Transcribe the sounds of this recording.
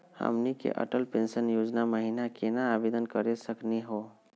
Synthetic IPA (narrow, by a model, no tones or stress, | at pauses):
hə̰mnikḛʔə̰ʈəlpensənjod͡ʒnaməɦinakenaːbed̪ənkəɾesəkniɦo